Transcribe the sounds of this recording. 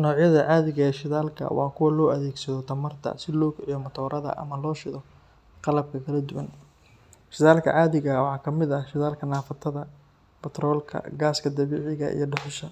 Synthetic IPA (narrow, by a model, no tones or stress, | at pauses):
nɔːʕjɐðɐʕɑːðɪɣɐɛːʃɪðaːlkʰɐ̰wɑ̰ːkʰʊwɐlɔːʔɐðɛːɡsɐðɔt̪ʰɐmɐrt̪ʰɐ̰sɪlɔːkʰʊʕjɔmɐt̪ʰɔːɾʔɐðɐ̰ʔɐ̰mɐlɔːʃɪðɔ | qɑlɐb̚kʰɐkʰɐlɐd̪ʊwɐn | ʃɪðaːlkʰɐ̰ʕɑːðɪɣɐwɑħɑːkʰɐmɪd̪ɐʃɪðaːlkʰɐnaːfɐt̪ʰɐðɐ | b̥ɛt̪ɾɔːlkʰɐ̰ɡaːskʰɐd̪ɐβɛːʕɪɣɐ̰ʔḭjɞɖʊħɪʃɐ